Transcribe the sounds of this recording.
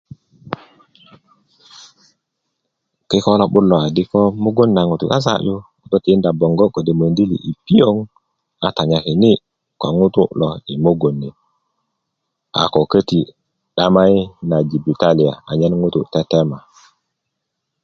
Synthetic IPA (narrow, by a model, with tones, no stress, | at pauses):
ki˦kɔ˦lo˦ɓu˦lo˨a˨di˦ko˦mu˦ɡo˦nːa˨ŋu˨tu˨ka˦s̬a̰˦˨ju˦ | u˨to˦ti˨i˦nda˨bo˨ŋɡo˦ko˨de˨mə˨ndi˦lḭ˨ʔi˨pi˦jo˦ŋ | a˨ta˨ɲa˨ki˨ni˦ | ko˨ŋu˦tṵ˦lɔ˨i˨mo˦ɡo˨nːi˨ | a̰˨ko˨kə˦ti˨ | ɗa˦ma˦jna˨d͡ʒi˨bi˨ta˦li˨a˨a˨ɲɛ˦nŋu˦tu˦tɛ˦tɛ˦ma˨